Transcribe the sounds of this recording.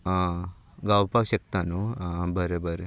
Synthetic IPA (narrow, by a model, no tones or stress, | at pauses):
ɡaːwpaːʋɕɐk̚t̪anubɐɾebɐɾe